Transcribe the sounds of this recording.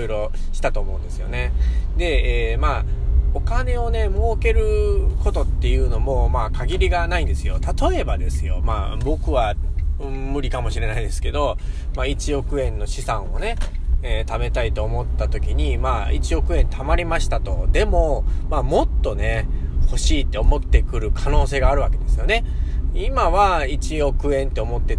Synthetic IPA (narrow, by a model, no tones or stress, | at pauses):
iɾo̞ | ɕi̥t̪at̪o̞ːmo̞ɯ̟̃nd̪e̞sɨjo̰ne̞d̪e̞ːmao̞kane̞o̞ne̞mɯoke̞ɾɯ̟ko̞t̪o̞t̪ːe̞jɯ̟ːno̞mo̞maːkʰaɡʲiɾʲiɡanaĩnd̪e̞sɨjo̞t̪at̪o̞e̞bad̪e̞sɨjo̞̰ma̰ːbo̞kɯ̟βa | mɯ̟ɾʲikamo̞ɕiɾe̞naid̪e̞sɨ̥ke̞d̪o̞mait͡ɕio̞kɯ̟ẽ̞nːo̞ɕisãɰ̃o̞ne̞t̪ame̞t̪ait̪o̞ːmo̞t̪ːat̪o̞kʲiɲ̟imaːit͡ɕio̞kɯ̟ẽ̞nt̪ʰamaɾʲimaɕi̥t̪at̪o̞d̪e̞mo̞maːmo̞t̪ːo̞ne̞ho̞ɕiːt̪ːe̞o̞mo̞t̪ːe̞kɯ̟ɾɯ̟kʰano̞ːseːɡaːɾɯ̟βake̞d̪e̞sɨjo̞ne̞imaβait͡ɕio̞kɯ̟ẽ̞nt̪ːe̞o̞mo̞t̪ːe̞